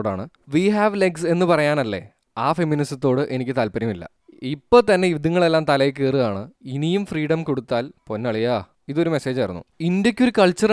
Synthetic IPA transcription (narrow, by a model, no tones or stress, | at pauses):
ɽa̰ːɳɨ | ʋiɦaːʋle̞ɡse̞nːɨpɐrɐjaːnɐlːe̞̰ | aːfe̞mːinisɐt̪ːo̞ːɽɨʔe̞nikʲːɨt̪aːlpɐɾɐmilːɐ̰ | ipːo̞ːt̪ɐnːe̞jid̪ɐŋːɐɭe̞lːaːmt̪ɐlɐjk̬ːeːrɨðaːɳɨinijumfriːɽɐmko̞ɽut̪ːaːlpo̞nːɐɭijaː | iðo̞ɾume̞se̞ːd͡ʑɐjɾunːṵindjɐkʲːo̞ɾukɐɭt͡ɕːɐr